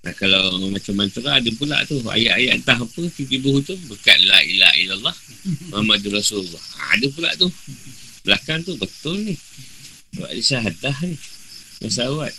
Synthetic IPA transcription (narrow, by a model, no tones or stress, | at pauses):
nʔahkalawmat͡ʃamːant̪əɾaːdəp̬ula̰ʔt̪ua̰jaʔajaʔt̪aɦpəkit̪ibuud͡ʒ̪ʊmbəka̰ʔlaḭla̰ḭlalːɑh | mamadurasullːɔha̰dəp̬ula̰ʔt̪u | bəlakant̪ubət̪ʊlnih | saba̰ʔdisaɦadaɦnima̰sawat̪̚